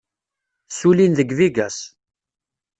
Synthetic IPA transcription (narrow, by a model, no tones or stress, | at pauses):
sulinðəɡviɡæs